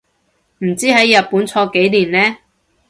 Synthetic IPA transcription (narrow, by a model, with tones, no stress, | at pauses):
m̩˨˩t͡siː˥ɦɐ˨˥jːɐ˨t̚puː˨˥nt͡sʰɔː˧ke˨˥jliː˨˩nlɛː˥